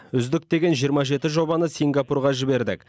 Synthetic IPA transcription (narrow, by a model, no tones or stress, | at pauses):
ʏzd̪ɪk̚t̪e̞ɡʲe̞nʒijəɾmɑʒe̞t̪ɪʒo̞bɑnəsiŋɡapurʁɑʒɪbe̞ɾd̪ɪ̰k